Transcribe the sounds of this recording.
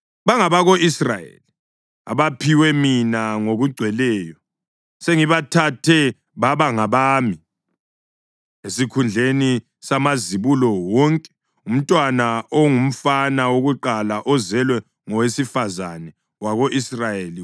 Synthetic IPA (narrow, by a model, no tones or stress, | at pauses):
βaŋaβaɣoʔisra̰jḛli | a̰βapʰiwɛminaŋoɣuɡ͡ǀʱwɛlɛːjɔ | seŋiβatʰatʰɛ | βaβaŋaβaːmi | esikʰund͡ɮʱeni | samaziβulɔwɔŋkʼɛ̥ | um̩tʼwanaoŋum̩fanawoɣuǃalaʔɔzɛlwɛ | ŋɔwesifazanɛ | waɣoʔisrajeli